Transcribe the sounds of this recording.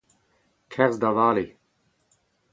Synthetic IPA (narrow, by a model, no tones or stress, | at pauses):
kʰɛʁzd̪avaːli